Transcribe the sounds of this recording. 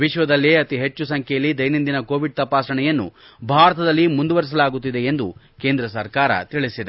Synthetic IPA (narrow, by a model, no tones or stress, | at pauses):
ʋiʃʋɐd̪ɐlːiɐt̪iɦe̞t͡ʃːusɐŋkʰɛjɐlːid̪ɐjnind̪inɐko̞ːʋiɖ̚t̪ɐpaːsɾɐɳɛjɐnːṵ | bʱaːɾɐt̪ɐd̪ɐlːimund̪uʋɐɾis̬ɐlaːɡut̪ːid̪eend̪u | keːnd̪ɾɐsɐɾkaːɾɐ̰t̪iɭisid̪e